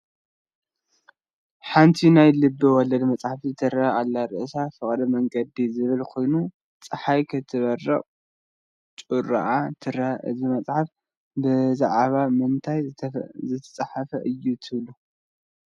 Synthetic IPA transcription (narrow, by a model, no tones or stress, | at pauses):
ħant̪ʰinajlɨbːɨwɔlɐd̪mɐt͡sʼħaft̪ʰit̪ʰɨɾɐhalːaɾɨʔsafɨχʼdɐmɐŋɡɐd̪izɨβɨlkʰo̞jnu | t͡sʼɨħajkʰɨt̪ʰɨβɐrːɐχʼ | t͡ʃʼuɾa̰ʔat̪ʰɨɾɐhʔɨ̰zimɐt͡sʼħaf | bɨzaʕβamɨnt̪ʰajzɨt̪ʰɐ̥t͡sʼaħafɐʔɨjːut̪ʰɨβlu